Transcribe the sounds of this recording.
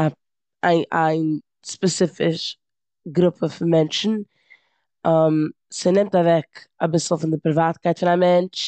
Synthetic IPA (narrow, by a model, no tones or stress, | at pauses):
a | aɪʔaɪn | spɛsɪfɪʃ | ɡɾʊpʰəfɪnmɛnt͡ʃn̩ | ɔm | sɪnɪmtavɛkabɪsl̩ˠfɪndɪpɾɪvaːt̚kaɪtfɪnamɛnt͡ʃ